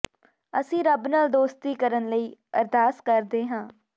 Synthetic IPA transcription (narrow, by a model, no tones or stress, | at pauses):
əsĩːɾəbnaːld̪oːst̪iːkəɾənləiːəɾd̪ʱaːskəɾd̪eːɦãː